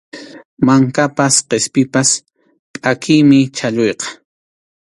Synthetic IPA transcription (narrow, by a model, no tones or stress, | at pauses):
maŋkapasqespɪpas | pʼakʰɪjmɪt͡ʃaʎʊjqɑ̥